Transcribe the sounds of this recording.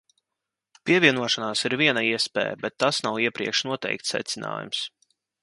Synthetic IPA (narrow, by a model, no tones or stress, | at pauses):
pʲiɛvʲiɛnuɔʃanaːsiɾvʲiɛnaiɛspɛ̰ːj̰bɛt̪ːasnawiɛpɾiɛkʃnuɔt̪ɛ̰jk̚t̪sːɛ̰t̪sʲɪna̰ːjṵms